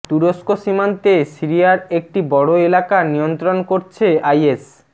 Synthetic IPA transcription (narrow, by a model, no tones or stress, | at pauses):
t̪uɾoskoʃimant̪esiɾijaɾek̚ʈibɔɽoelakanijont̪ɾonkoɾt͡ɕʰeajes